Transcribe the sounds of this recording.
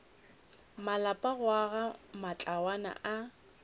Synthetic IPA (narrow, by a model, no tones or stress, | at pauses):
malapʼaɣwaɣamat͡ɬʼawana̰ʔa